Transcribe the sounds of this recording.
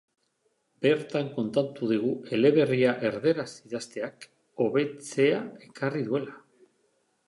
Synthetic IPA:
be̞ɾt̪aŋko̞nt̪at̪uð̞iɣ̞ue̞le̞βe̞riaʔe̞ɾðe̞ɾasiðast̪e̞ak | o̞βe̞t͡se̞ae̞kariðue̞la

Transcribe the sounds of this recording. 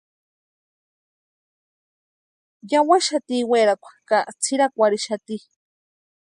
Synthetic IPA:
jawaʃat̪iːweːɾakʷʰḁkaʔt͡sʰiɾakʷaɾiʃat̪i

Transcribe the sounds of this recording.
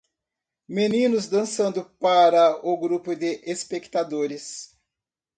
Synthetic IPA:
menĩnʊzd̪ɐ̃sɐ̃nd̪ʊpaɾɐʊɡɾupʊd̪ɪʔespekt̪ad̪oɾɪs

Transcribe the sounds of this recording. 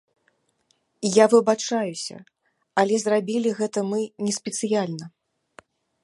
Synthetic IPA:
javɨbat͡ʂajusʲɐ̰ | ɐlʲɛzrabʲilʲiɣɛt̪ɐmɨnʲɛsʲpʲɛt̪sɨjalʲnɐ

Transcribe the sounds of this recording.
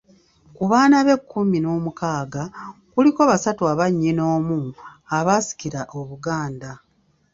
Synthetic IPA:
kuβaːnaβe̞kːumino̞ːmukaːɡakuliko̞βasatuaβaɲːino̞ːmuaβasi̥kiɾaʔoβuɡaːnda

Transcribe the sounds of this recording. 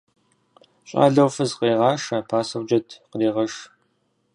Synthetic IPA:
ɕʼa̰ːɮɐwfɨzqeːʁɑːʂɐpʰaːsɐwd͡ʒɐtʰqədiːʁɐʂ

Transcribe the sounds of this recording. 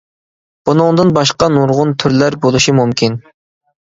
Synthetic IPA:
b̥unɨŋd̪ɨnbɑʃqɑnuɾʁʊnt̪ʰyɾlæɾbolˠuʃimumkʲin

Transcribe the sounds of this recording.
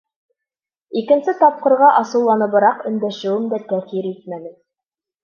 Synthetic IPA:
ikɘ̆nsɘt̪ɑp̚qɤ̆ɾʁɑʔɑsɤ̆wlˠɑnɤ̆βɤ̆ɾɑqɵ̆nd̪æʃɘ̆wɘmd̪æt̪æθiɾit̪̚mænɘ

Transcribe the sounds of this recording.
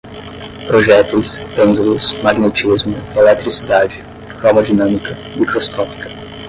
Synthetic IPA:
pɾoʒɛt̪ʊsẽzulʊsmaɡnet͡ʃizmʊelɛt̪ɾisid̪ad͡ʒɪ | kɾɔmɐd͡ʒinɐ̃mikɐ | mikɾoskɔpi̥kɐ̥

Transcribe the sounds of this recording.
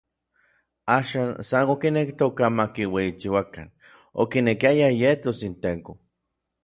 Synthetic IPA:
aːʃaːnsanokinekt̪okamakiweit͡ʃiwakan | o̰kinekiajajet̪osint̪eŋko

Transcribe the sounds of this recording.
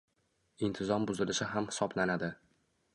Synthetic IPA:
ɪnt̪ʰɪzɒmbʊzɪlɪʃɪɦamhɪ̥sɒblanad̪ɪ

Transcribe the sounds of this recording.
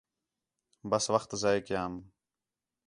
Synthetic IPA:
bɐsʋɐxt̪zaːjekijaːm

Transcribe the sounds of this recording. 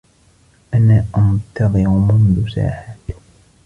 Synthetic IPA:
ʔanaːʔant̪ɑðˤɨɾʊmʊnðʊsa̰ːħaːt̪

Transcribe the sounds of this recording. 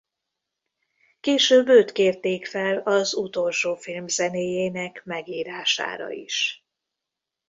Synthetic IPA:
keːʃøːbøːt̪keːrt̪eːkfɛlɒzut̪o̞lʃoːfilmzɛneːjeːnɛkmɛɡiːɾaːʃa̰ːɾɒ̰ḭʃ

